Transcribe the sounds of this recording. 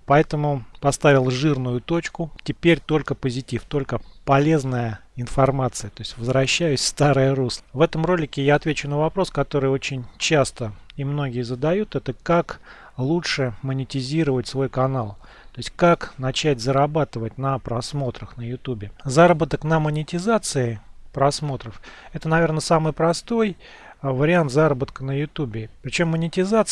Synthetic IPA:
pɐɛt̪əmʊpɐst̪avʲɪlˠʐɨrnʊjʊt̪o̞t͡ɕkʊtʲɪpʲeɾʲt̪o̞lʲkəpəzʲɪtʲift̪o̞lʲkəpɐlʲe̞znəjəɪnfɐrmat̪sɨjət̪o̞ɪsʲtʲvəzɾɐɕːæjʉsʲfst̪aɾɨjəɾuslˠəvɛt̪əmro̞lʲɪkʲɪjaɐt̪vʲet͡ɕʊnəvɐpɾo̞skɐt̪o̞ɾɨjo̞t͡ɕɪnʲt͡ɕast̪əɪmno̞ɡʲɪjəzəd̪ɐjut̪ɛt̪əkak | lˠutʂɨmənʲɪtʲɪzʲiɾəvətʲsvo̞jkɐnalˠ | t̪t̪o̞ɪsʲtʲkaknɐt͡ɕætʲzəɾabat̪ɨvətʲnəpɾɐsmo̞t̪ɾəxnəjʊt̪ubʲɪzaɾəbət̪əknəmənʲɪtʲɪzat̪sɨɪpɾɐsmo̞t̪ɾəfɛt̪ənɐvʲe̞rnəsamɨjpɾɐst̪o̞j | vəɾʲɪant̪zaɾəbət̪kənəjʊt̪ubʲɪpɾʲɪt͡ɕo̞mːənʲɪtʲɪzat̪s

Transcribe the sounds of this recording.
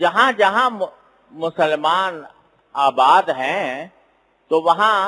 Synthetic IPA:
d͡ʒɐɦãd͡ʒɐɦã | mʊsəlmaːn | aːbaːd̪ɦɛ̃ | t̪oːʋɐɦã

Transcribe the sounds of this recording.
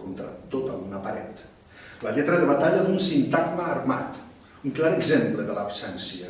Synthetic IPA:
kont̪ɾa̰t̪ot̪aunapaɾɛt̪ | ləʎɛt̪ɾəeɾβat̪aʎad̪unsint̪akmaːrma̰t̪ | uŋklaɾəɡzempləðələpsɛnsiə

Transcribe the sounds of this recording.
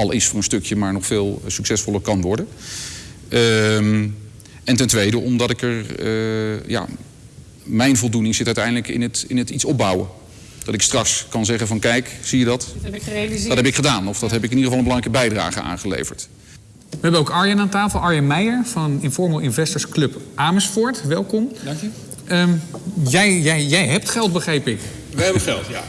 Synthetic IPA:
ɑlˠɪsfʊːɹənstɵkjəmaːɹnɔχfɪːlˠsɵksɛsfɔlˠəɹkɑnʋɔɹdən | m | ɛntɛntʋejdəʔɔmdɑtɪkəɹ | ja̰ | mɛjnvɔlˠdunɪŋzɪtœɥtɛjndələkɪ̰nətɪnətitsɔb̚bɑwə̰ | d̥ɑtɪkstrɑkskɑnzɛχəvɑnkɛjksijədɑtelidtɦɛpɪkχədaːnɔfdɑtɦɛp̬ɪkɪnidəχəvɑlˠəmbəlɑŋrɛjkəbɛjdra̰ːχəa̰ːnχəlḛjvəɹt | ʋəɦɛbənowkɑɹjənaːntaːfəlˠɑɹjəmɛjəɹvɑnɪnfɔɹməlˠʔɪnvɛstəɹsklɵpʔaːməsfɔɹtʋɛlˠkɔm | jɛjjɛjjɛjɦɛp̚tχɛlˠt̚bəχɾejpɪk | ɛbχɛlˠta

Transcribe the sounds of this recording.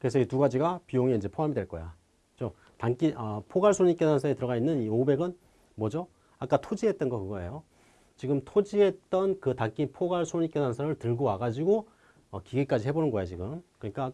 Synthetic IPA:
kɯɾesʰʌituɡad͡ʑiɡapijoŋeind͡ʑe̞pʰoɦamidwe̞ɭk͈ʌja | ɯt͡ɕo | taŋk͈iʔʌpʰoɡaɭsʰoɲik͈enansʰaetɯɾʌɣainːɯniobe̞ɡɯn | mʌd͡ʑo | ak͈atʰod͡ʑiɦe̞t̚t͈ʌnɡʌkɯɡʌe̞̰jo | t͡ɕiɡɯmtʰod͡ʑie̞t̚t͈ʌnkɯtaŋk͈ipʰoɡaɭsʰoɲik͈enansʰaɾɯɭtɯɭɡowaɡad͡ʑiɡo | ʌkiɡek͈ad͡ʑihe̞bonɯnɡʌeot͡ɕiɡɯmkɯɲik͈a

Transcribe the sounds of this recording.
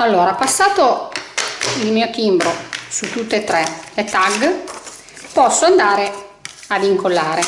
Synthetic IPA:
alːoːɾapasːaːt̪o | ilmiːok̪imbɾosut̪ːut̪ːet̪ɾɛlet̪aɡ | pɔsːoand̪aːɾe | aviŋkolːaːɾe

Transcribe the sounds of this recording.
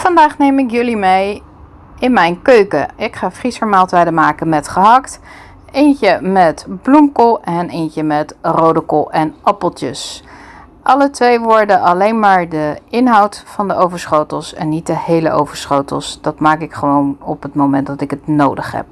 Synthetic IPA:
fɑndaːχnejmɪkjɵlimej | ɪnmɛjnkøɥkə̰ɪkχaːfrisəɹmaːlˠtɛjdəmaːkənmɛtχəɦɑkt | encəmɛtblumkolˠɛnejncəmɛtrowdəkɔlˠʔɛnɑpəlˠtə̰s | ʔɑlətʋejʋʊːɹdəʔɑlejnmaːɹdəɪnɦɑwtfɑndəʔowvəɹsχowtəlˠsɛ̰nːit̚dəhejlə̰ʔo̰wvəɹsχowtə̰lˠsd̥ɑtmaːkɪkχəʋownɔpətmowmɛntdɑtɪkətnowdə̰χɦɛ̰p̚

